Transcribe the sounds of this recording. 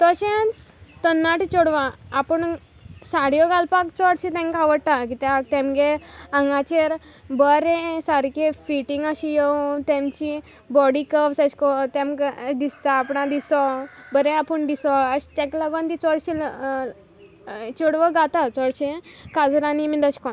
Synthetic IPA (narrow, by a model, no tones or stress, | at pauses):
t̪ɔɕẽt͡st̪ənːaʈit͡ɕoɽʋãːpəɳ | saɽjɔɡalpakt͡sɔɽɕẽt̪ɛ̃ŋkaʋəɽt̪akit̪at̪ẽmɡeãŋɡat͡ɕeɾ | bəɾẽsaɾkefiʈĩŋɡaɕijet̪ẽmt͡ɕi | bɔɽikəpsəɕkɔt̪ẽmɡd̪ist̪aːpɳãd̪isɔbəɾẽapəɳd̪isɔəɕt̪ɛ̃klaɡãnt̪it͡sɔɽɕil | t͡ɕɔɽʋəɡat̪at͡sɔɽɕẽkad͡zɾanimid̪əɕkɔn